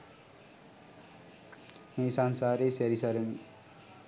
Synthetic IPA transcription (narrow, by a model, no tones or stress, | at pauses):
meːsansaːɾesɛɾisɐɾəmi